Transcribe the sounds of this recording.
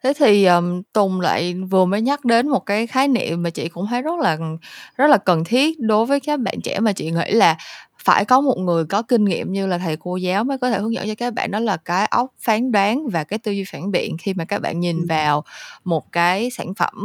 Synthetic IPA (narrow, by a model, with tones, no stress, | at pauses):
t̪ʰe˨˦t̪ʰi˨˩ʔəː˨˩mt̪ʊ˨˩ŋ͡mla̰ː˧˨jvɨ˨˩əməː˨˦jɲa˦˥k̚ɗe˨˦nmo˨˩t̚kaː˨˦jxaː˨˦jnḭ˧˨əmːaː˨˩t͡ɕḭ˧˨kʊ̰˧˥ŋ͡mhaː˨˦jzə˦˥t̚laː˨˩zə˦˥t̚laː˨˩kə˨˩nt̪ʰi˦˥ət̚ɗo˨˦jvəː˨˦jkaː˦˥k̚ɓa̰ː˧˨nt͡ɕɛ̰˧˩maː˨˩t͡ɕḭ˧˨ŋḭ˧˩laː˨˩faː˧˩jkɔ˨˦mo˨˩t̚ŋɨ˨˩əjkɔ˨˦kï˧ŋ̟ŋḭ˧˨əmɲɨ˧laː˨˩t̪ʰa˨˩jko˧zaː˨˦wməː˨˦kɔ˨˦t̪ʰe˧˩hɨ˨˦ŋə̰˧˥nt͡ɕɔ˧kaː˦˥k̚ɓa̰ː˧˨nːɔ˨˦jlaː˨˩kaː˨˦jʔə˦˥wk͡p̚faː˨˦nɗwaː˨˦nvaː˨˩kaː˨˦jt̪ɨ˧zwi˧faː˧˩nɓḭ˧˨ənxi˧maː˨˩kaː˦˥k̚ɓa̰ː˧˨nɲi˨˩nvaː˨˩wmo˨˩t̚kaː˨˦jsa̰ː˧˩nfə̰˧˩m